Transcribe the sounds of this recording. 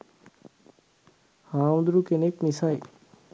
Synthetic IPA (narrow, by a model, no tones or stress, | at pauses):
haːmd̪ɾukenekmisaj